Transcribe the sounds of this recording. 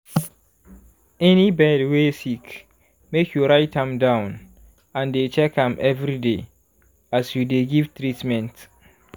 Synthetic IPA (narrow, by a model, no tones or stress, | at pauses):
ɛnibɛdwesik | mekʰjuɹaɪtʰãmdãʊ̃n | ãndet͡ʃɛkãmʔɛvɹide | asjudeɡiv̥tɹitmɛ̃nt